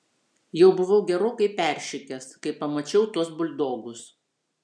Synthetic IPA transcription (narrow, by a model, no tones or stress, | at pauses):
jɛʊbʊʋɐʊɡʲɛɾoːkɐɪpʲæˑɾʲʃʲɪkʲɛskɐɪpɐmɐt͡ʃʲɛʊt̪uɔsbʊlʲd̪oːɡʊs